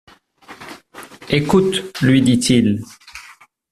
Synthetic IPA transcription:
ekut̪lɥid̪it̪ʰil

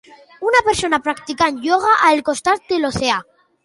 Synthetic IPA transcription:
unapeɾsonapɾakt̪ikanjoɣ̞aʔalkost̪at̪̚d̪eloθea

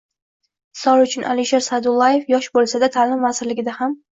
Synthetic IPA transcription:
sɒɾʊt͡ʃʰʊnʔa̰lɪʃeɾsad̪ʊlˠːaje̞fjɒʃbolˠsad̪at̪ʰaːlɪmvasɪɾlɪɡʲɪd̪aham

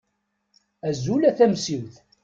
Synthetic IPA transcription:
æzulæθæmsivθ

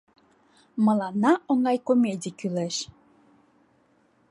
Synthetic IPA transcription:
məlɑnːɑʔoŋɑjkomʲedʲikyleʃ

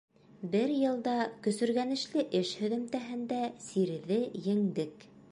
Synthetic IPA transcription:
bɘɾjɤ̆lˠd̪ɑkɵ̆sɵ̆ɾɣænɘ̆ʃlɘʔɘʃhɵ̆ðɘ̆mt̪æɦɘ̆nd̪æsiɾðɘjɘ̆ŋd̪ɘk

